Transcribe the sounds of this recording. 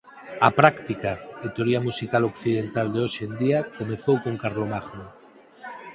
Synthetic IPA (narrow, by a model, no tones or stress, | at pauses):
apɾakt̪ikaet̪eoɾiamusikalokθiðent̪ald̪eoʃend̪iakomeθowkoŋkaɾlomaɣno